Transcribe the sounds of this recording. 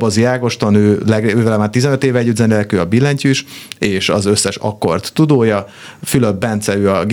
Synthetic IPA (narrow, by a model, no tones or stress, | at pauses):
bɒzijaːɡo̞ʃt̪onøːlɛɡøːvɛlɛvaːt̪izɛnøt̪eːvɛɟːyd̪zɛnelɛkøːɒbilːɛɲcyiʃeːʃɒzø̞sːɛʃɒ̰kːo̞rt̪ːud̪oːjɒfyløbbɛnt̪sɛɾyːɒɡ